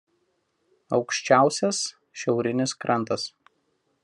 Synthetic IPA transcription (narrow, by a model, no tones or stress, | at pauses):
ɒʊkʃʲt͡ʃʲæˑʊsʲɛs | ʃʲɛʊɾʲɪnʲɪskɾʔɐnˑt̪ɐs